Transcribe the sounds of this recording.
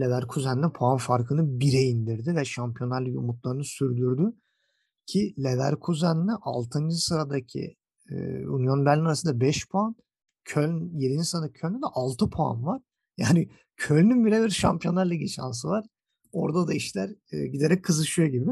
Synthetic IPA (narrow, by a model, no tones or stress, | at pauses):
lʲevæɾkʰuzænːʲɛpʰoanfaɾkʰɯnɯbiɾɛind̪iɾd̪ivɛʃampʰijo̞nˠaɾlˠɯjṵmut̪lˠaɾɯnɯsyɾd̪yɾd̪y | cʰilʲevæ̰ɾkʰuzænːɛʔa̰lˠt̪ʰɯnd͡ʒɯsɯɾad̪acʰḭ | ṵnjonbælʲinaɾasɯnd̪abɛʃpʰoan | cʰølʲnjeɾinisɯɾad̪acʰølʲnʲɛd̪ɛʔalˠt̪ʰɯpʰoa̰nvaɾ̥ | jaːniɪ | cʰølʲnynbilʲɛbiɾʃa̰mpijo̞nːˠaɾlˠaɟiʃa̰nsɯvaɾ̥ | o̞ɾd̪ad̪aiʃlʲæɾ̰ːɟid̪e̞ɾɛc̚kʰːɯzɯʃɯjoɟibɪ